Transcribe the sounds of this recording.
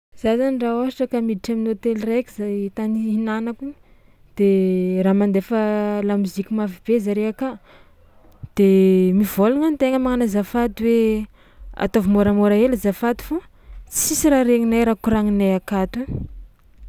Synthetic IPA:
z̥azanɳɖ͡ʐaosiʈ͡ʂəkamidiʈ͡ʂaminot̪eliraki̥zajt̪aniɦinanaku | d̪̥eramand̪efəlamuzikʲimafib̥ezaɾeaka | d̪̥emivoluŋanit̪eŋəmaŋanazafat̪iwe | a̰t̪ovimoɾəmoɾaelazafat̪i̥fo | t͡si̥sisiɾaɾeŋinajɾakuɾaŋinajakat̪u

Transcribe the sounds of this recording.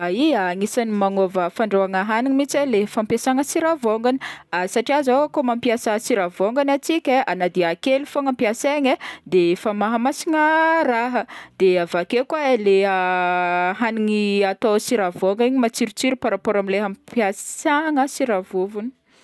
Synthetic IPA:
aiaːŋisanimanovəfaɳɖ͡ʐoaŋaɦaniŋimit͡salefampasaŋəsiɾavoŋɡani̥asaʈ͡ʂiazakomampjasasiɾavoŋɡanat͡sikʲəanad̪iakelufoŋampiaseɲəd̪efamaɦəmasiŋəraɦəd̪̥eavakekwaleə | ɦaniŋiat̪osiɾavoŋɡiɲimat͡siɾit͡siɾupaɾapoɾamileɦampjasaŋəsiɾavuvuni̥

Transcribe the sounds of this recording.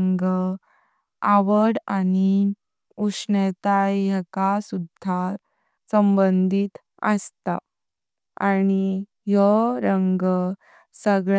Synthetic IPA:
ŋɡ | aʋəɽani | uʂnet̪ajakasud̪ʱːa | səmbənd̪ʱit̪ | ə̰st̪a̰ | añi | jəɾəŋɡ | səɡɭ

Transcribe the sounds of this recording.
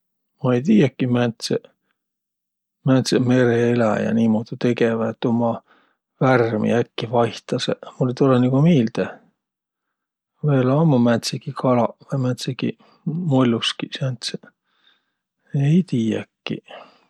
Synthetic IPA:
mɑejt̪̬iːjækːimænt̪se | mænt̪seme̞ɾeelæjɑ̰niːmoːd̪̥it̪e̞ɡevæet̪ːˑomɑ | værmḭækːivɑjht̪ɑsemulːet̪olenikomeːld̪̥e | veːlɑmːumænt̪sikikʰɑlɑɑmænt̪sikḭ | molʲːuskisænt̪se | ejt̪iːjæ̰kːḭ

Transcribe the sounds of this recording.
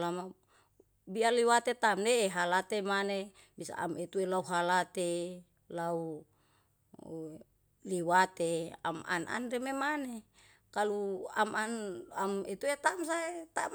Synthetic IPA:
lama | bialiwat̪et̪amdeːɦalat̪emane | bisa̰a̰met̪uelauɦalat̪e | lau | liwat̪ea̰ma̰na̰nrememane | kaluamanamet̪uet̪ams̬aet̪am

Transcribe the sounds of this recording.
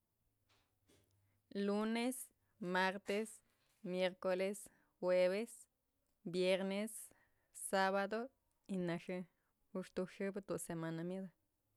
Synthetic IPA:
lunes | maɾt̪es | mjeɾkoles | xweβes | bjeɾnesː | aβad̪o | inaʃɨ | uʃt̪uʃɨbat̪usemanamjed̪a

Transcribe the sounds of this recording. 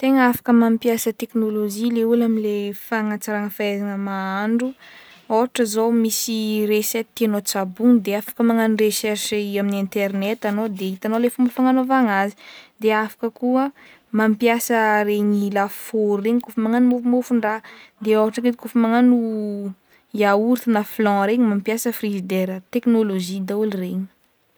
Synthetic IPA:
t̪eŋəafḁkəmampjasət̪eknoloʒileulamilefaŋat͡saɾaŋəfaɛzanəmaaɳɖ͡ʐu | oɦaʈ͡ʂəzowmisireset̪ːianot͡sabuŋd̪eafḁkəmaŋanreʃɛrʃiaminent̪ernet̪anod̪eit̪anolefumbəfaŋanovaŋazi̥d̪eafḁkəkuə | mampijasəɾeɲilafoɾreɲikufumaŋanimofumofuɳɖ͡ʐad̪eoaʈ͡ʂəket̪ikufəmaŋanu | jauɾt̪inaflɔ̃ɾeɲimampjasəfrizid̪eɾət̪eknoloʒid̪aulireɲi̥

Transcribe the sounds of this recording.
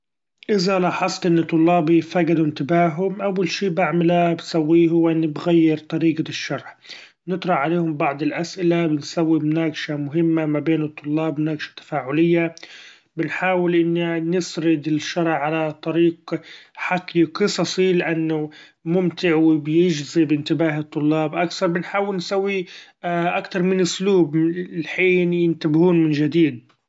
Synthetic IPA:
ʔɪzalɑħɑsˤlʔɪnːɪt̪ˤːʊlːɑːbifaːɡad̪uɪnt̪ɪbaːɦʊmʔawːalʃiːbaʕmɪlabsawːiːhʊwːʔɪnːɪbɣajːɪɾt̪ˤɑɾiːɡaɪʃːɑɾˤħ | nɨt̪ˤɾˤɑʕaleːhʊmbɑʕd̪ˤɪlʔasʔɪlabɪnsawːimnaːɡʃamʊɦɪmːamabeːnɨt̪ˤːʊlːɑːbmnaːɡʃḁt̪ːḁfaːʕʊlɪjːa | bɪnħaːwɪlʔɪnːinɪsɾɪd̪ɪlʃːɑɾˤʕːalat̪ˤɑɾiːqħakːiqɨsˤɑsˤilɪʔanːʊ | mʊmt̪ɪʕwɪbɪjɪʒzibɪnt̪ɪbaːɦɨt̪ˤːʊlːɑːbʔakθɑɾˤbɪnħaːwɪlnsawːi | ʔakt̪ɑɾˤmɪnʔʊsluːblħiːnjɪnt̪abhuːnmɪnʒad̪iːd̪̚

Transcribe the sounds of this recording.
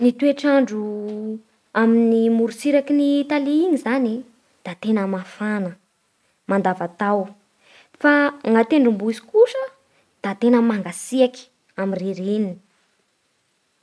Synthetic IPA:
nit̪ueʈ͡ʂaɳɖ͡ʐu | aminimuɾusiɾakinit̪aliiɲizani | d̪̥at̪enəmafanə | mand̪avat̪aw | faŋat̪eɳɖ͡ʐumbuizi̥kuʃə | d̪̥at̪enəmaŋɡasiaki̥ | amiriɾinin

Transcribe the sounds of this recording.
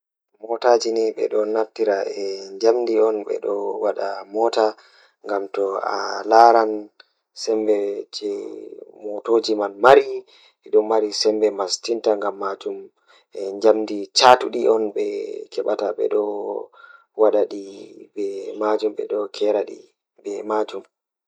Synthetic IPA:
mɔtad͡ʒiniɓɛ̰ɗɔnaftiɾaɛɲd͡ʒamdiɔnɓɛ̰ɗɔwaɗamɔta | ŋɡamtɔa̰laɾan | sɛmbɛd͡ʒɛmotod͡ʒimanmaɾi | ɛɗɔmaɾisɛmbɛmastintaŋɡamːad͡ʒum | ɛɲd͡ʒamdit͡ʃatuɗiɔnɓɛkʰɛɓataɓɛ̰ɗɔ | waɗaɗibɛmad͡ʒumɓɛ̰ɗɔkʰɛɾaɗḭ | ɓɛmad͡ʒum

